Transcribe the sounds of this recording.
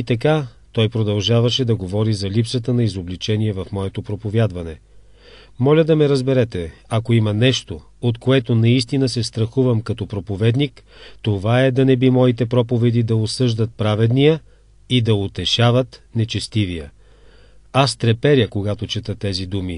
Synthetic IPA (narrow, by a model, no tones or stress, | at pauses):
it̪ɐka | t̪ɔjpɾod̪ɐlˠʒavɐʃɛd̪ɐɡovɔɾizɐlipsət̪ənɐizoblit͡ʃɛniɛvɐfmɔɛt̪opɾopovʲjad̪vɐnɛ | mɔlʲəd̪ɐmɛɾɐzbɛɾɛt̪ɛɐkoimɐnɛʃt̪o | ot̪koɛt̪onɐist̪inəsɛst̪ɾɐxuvɐmkɐt̪ɔpɾopovɛd̪nikt̪ovaɛd̪ɐnɛbimɔit̪ɛpɾɔpovɛd̪id̪ɐosɤʒd̪ɐt̪̚pɾavɛd̪nijə | id̪ɐot̪ɛʃavɐt̪nɛt͡ʃɛst̪ivijə | ast̪ɾɛpɛɾʲjəkoɡat̪ot͡ʃɛt̪ət̪ɛzid̪umi